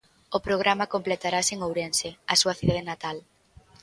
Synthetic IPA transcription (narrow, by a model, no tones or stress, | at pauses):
ʊpɾoɣ̞ɾamakomplet̪aɾaseŋowɾenseasuɐθiðaðenat̪al